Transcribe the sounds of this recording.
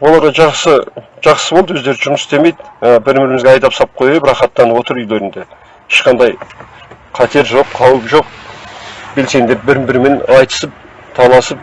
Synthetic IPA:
wo̞lˠɑɾʁɑʒɑqsə | ʒ̥ɑqsəbolˠd̪əwɵzd̪e̞ɾd̪ɪʒʊməsst̪eme̞jd̪bɪɾmɪɾɪmɪzɡʲeɑjd̪ɑpsɑp̚qʰojepɾɑχɑt̪ːɑnwo̞t̪əɾʏjle̞ɾɪnd̪e | ɪʃqɑnd̪ɑj | qʰɑt̪ʰe̞ɾʒo̞qqʰɑwəpʒo̞q̚ | be̞lse̞nd̪e̞p̚bɪɾɪmbɪɾme̞nɑjt̪ə̥səp̚ | t̪ʰɑlˠɑsəp̚

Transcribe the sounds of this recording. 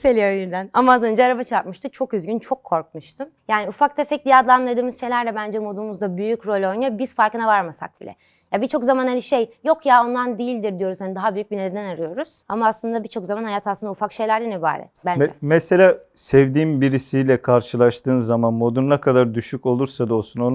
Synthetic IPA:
selʲijojyɾd̪ænamaasˠɯnd͡ʒaɾabat͡ʃʰaɾp̚mɯʃt̪ʰɯt͡ʃʰo̞kyzɟynt͡ʃʰo̞kʰːo̞ɾk̚muʃt̪ʰɯmjaːniufak̚t̪ʰefɛc̚lʲijad̪lˠanlˠad̪ɯːmɯzʃe̞jlʲæɾd̪ɛbænd͡ʒɛmo̞d̪umuzd̪abyjycɾo̞lʲo̞jnabiz̥faɾkɯnavaɾmasa̰k̚bḭlʲɛ̰ | jabit͡ʃʰo̞kzamanhalʲiʃejjo̞kjao̞nd̪and̪eijilʲd̪iɾd̪ijo̞ɾuz̥hanid̪aɦabyjyc̚bined̪ed̪ænaɾɯjo̞ɾuz̥a̰maːslˠɯnd̪abit͡ʃʰo̞kzamanhajat̪ʰaslˠɯnd̪ufakʃe̞jlʲæɾlɛniba̰ːɾɛ̰t̪bænd͡ʒɛmɛse̞lʲaːsɛvd̪iːmbiɾisijlʲɛkʰaɾʃɯlˠaʃt̪ʰɯːnzamanmo̞d̪unnakʰad̪aɾd̪yʃyco̞lˠuɾsad̪osunon

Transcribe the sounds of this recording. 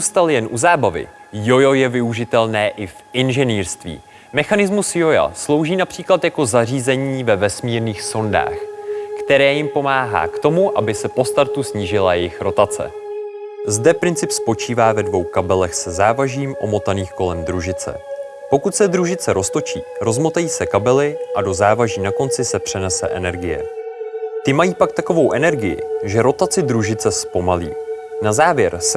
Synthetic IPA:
ust̪aljɛnʔuzaːbavɪ̰ | jo̞jo̞jɛvɪuʒɪt̪ɛlnɛːʔɪfʔɪnʒɛniːɾst̪vḭː | mɛxanɪzmusjo̞ja̰slo̞wʒiːnapr̥iːklat̪jako̞zar̝iːzɛɲiːvɛvɛsmiːɾniːxso̞nda̰ːxkt̪ɛɾɛːjɪmpo̞maːɦa̰ːkt̪o̞muʔabɪsɛpo̞st̪aɾt̪usɲiːʒɪlajɛjɪxɾo̞t̪at͡sɛ̰ | zdɛpɾɪnt͡sɪpspo̞t͡ʃiːvaːvɛdvo̞wkabɛlɛxsɛzaːvaʒiːmʔo̞mo̞t̪aniːxko̞lɛmd̪ɾuʒɪt͡sɛ̰ | po̞kut̪sɛd̪ɾuʒɪt͡sɛɾʔo̞st̪o̞t͡ʃḭːɾo̞zmo̞t̪ajiːsɛkabɛlɪʔado̞zaːvaʒiːnako̞nt͡sɪsɛpr̥ɛnɛsɛ̰ʔɛnɛɾɡɪjɛ̰ | t̪ɪmajiːpak̚t̪ako̞vo̞wʔɛnɛɾɡɪjɪ̰ʒɛɾo̞t̪at͡sɪd̪ɾuʒɪt͡sɛspo̞malḭːnazaːvjɛɾs

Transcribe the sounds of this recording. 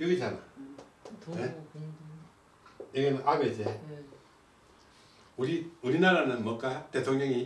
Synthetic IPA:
iɡɯd͡ʑana | ne | eɡenɯnʔabed͡ʑe | uɾiuɾinaɾanɯnmʌk͈at̪e̞tʰoŋɲʌŋi

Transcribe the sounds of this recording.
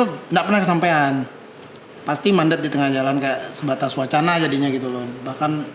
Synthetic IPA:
t̪undaʔpərnahkəsampaan | past̪imandət̪̚dit̪əŋahd͡ʒalankaaʔsəbat̪aswat͡ʃanad͡ʒadiɲaɡit̪ulɔbahkan

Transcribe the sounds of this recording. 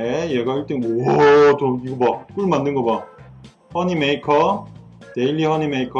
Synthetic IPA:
ejeɡaiɭt͈enʌtʌiɡʌmak͈uɭmandɯnɡʌma | hʌɲimeikʰʌ | te̞ilːihʌnimeikʰʌ

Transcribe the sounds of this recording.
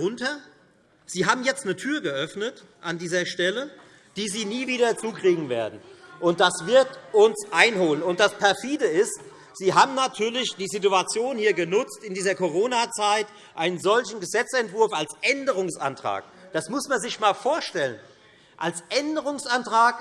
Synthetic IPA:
ʊntɐ | z̥iːɦaːbm̩jɛt͡stnətʰyːɐɡəʔœfnət | ʔandiːzɐʃtɛlə | d̥iːziːniːviːdɐt͡suːkʁ̥iːɡŋ̩vḛːɐdn̩ʔʊnt̚d̥asv̥ɪɐtʊnsʔaɪnɦoːlənʊntd̥aspʰɛɐfiːdəɪst | z̥iːɦaːbm̩natʰyːɐlɪçd̥iːzituat͡sjoːnhiːɐɡənʊt͡stɪndiːzɐkʰoʁoːnat͡saɪt | ʔaɪnənzɔlçn̩ɡəzɛt͡sɛntv̥ʊɐfalsʔɛndəʁ̞ʊŋsʔa̰ntʁ̥a̰ːkd̥asmʊsmanzɪçmaːlfoːɐʃtɛlən | ʔalsʔɛndəʁ̞ʊŋsʔantʁ̥aːk

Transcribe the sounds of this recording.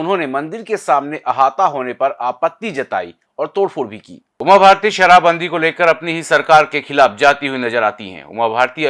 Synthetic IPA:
ʊnɦõnemɐ̃nd̪ɪɾkesaːmneʔɐɦaːt̪aɦoːnepɐɾaːpət̪ːid͡ʒɐt̪a̰ːḭ | ɔːɾt̪oːɽfʰʊɽbʱikḭː | ʊmabʱaːɾt̪iʃɐɾaːbə̃nd̪ʱikoleːkəɾɐpniɦisɐɾkaːɾkexʰɪlaːfd͡ʒaːt̪iɦuinɐzəɾaːt̪iɦɛ̰̃ʊ̰mabʱaːɾt̪i

